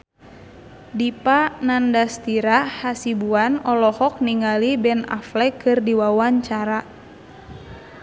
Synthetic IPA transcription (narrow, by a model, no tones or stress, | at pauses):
dipanandast̪iɾahasibuanɔlɔhɔk̚niŋalibɛna̰flɛkɨrdiwawaɲt͡ʃaɾa